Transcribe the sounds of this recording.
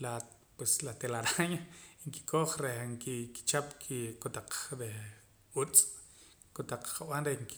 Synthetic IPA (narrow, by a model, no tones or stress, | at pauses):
la | pweslat̪elaɾaɲaŋki̥kʰoχɾehŋkiki̥t͡ʃapkʰikot̪aq͡χɾe | ut͡sʼ | kot̪aq͡χqawanɾehŋki̥